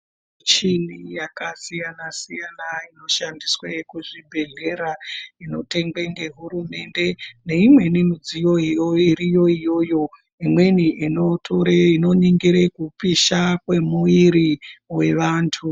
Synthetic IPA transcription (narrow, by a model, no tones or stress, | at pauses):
t͡ʃinijakasijanasijanaino̞ʃandiswekuʐibʱe̞ɮe̞ɾaino̞te̞ŋɡweŋɡe̞ɦuɾume̞nde̞ne̞imwe̞ninud͡zijo̞ijoiɾijo̞ijo̞jo̞ | imwe̞niʔinotʰoɾeino̞niŋɡiɾekupiʃakwe̞muiɾiwe̞ʋaːntʰu